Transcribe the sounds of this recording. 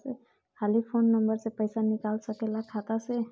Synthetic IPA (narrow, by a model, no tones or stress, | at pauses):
se | kʰalipʰonːəmbəɾsepəjsanikalsəkelakʰat̪ase